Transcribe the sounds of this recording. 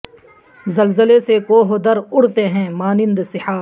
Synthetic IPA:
zɐlzəlesekoːɦod̪əɾʊɽt̪eɦɛ̃ːmaːnɪ̃nd̪sɪhaː

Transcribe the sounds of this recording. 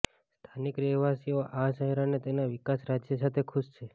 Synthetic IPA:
st̪ʰanikɾeʋasioʔaʃəɦɛɾanet̪enaʋɪkasɾad͡ʒjəsat̪ʰekʰuʃt͡ʃʰe

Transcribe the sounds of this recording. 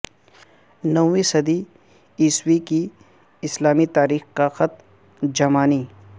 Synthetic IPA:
nɐwwisɐd̪i | iːswiki | ɪslaːmit̪aːɾiːxkaxɐt̪̚ | d͡ʒɐmaːniː

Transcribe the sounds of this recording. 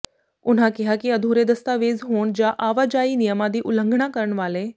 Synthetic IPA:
ʊn̤ãːkɪɦaːkɪəd̪ʱuːɾeːd̪əst̪aːʋeːzɦoːɳd͡ʒãːʔaːʋaːd͡ʒaːiːnɪjəmãːd̪iːʔʊlə̃ŋɡʱɳãːkəɾəɳʋaːleː

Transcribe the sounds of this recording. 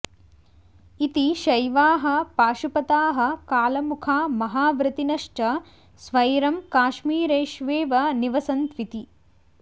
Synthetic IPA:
it̪iʃɐjʋaːɦɐ̆paːʃupɐt̪aːɦɐ̆kaːlɐmukʰaːmɐɦaːʋɾɨt̪inɐʂʈɐ | sʋɐjɾɐmkaːʃmiːɾeːʃʋeːʋɐniʋɐsɐnt̪ʋit̪i

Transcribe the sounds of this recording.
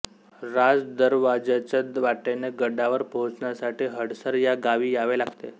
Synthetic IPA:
ɾad͡zd̪əɾʋad͡ʑat͡ɕəd̪ʋaʈeneɡəɖaʋəɾpot͡sɳjasaʈiːɦəɽsəɾjaɡaʋiːjaʋelaɡt̪e

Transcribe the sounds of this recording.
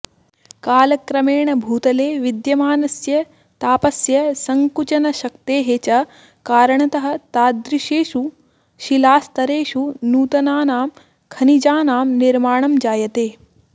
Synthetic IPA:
kaːlɐkɾɐmeːɳɐbʱuːt̪ɐleːʋid̪jɐmaːnɐsjɐ | t̪aːpɐsjɐsɐŋkut͡ʃɐnɐʃɐkt̪eːɦet͡ʃɐ | kaːɾɐɳɐt̪ɐɦɐ̆t̪aːd̪ɾiʃeːʃu | ʃilaːst̪ɐɾeːʃunuːt̪ɐnaːnaːm | kʰɐnid͡ʒaːnaːmniɾmaːɳɐmd͡ʒaːjɐt̪eː

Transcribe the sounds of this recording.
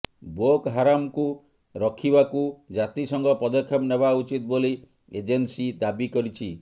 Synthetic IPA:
bokɦaɾamku | ɾɔkʰibakud͡ʒat̪isɔŋɡɔpɔd̪ɔkʰjɔpnebaut͡ʃit̪boli | ed͡ʒensid̪abikɔɾit͡ʃʰi

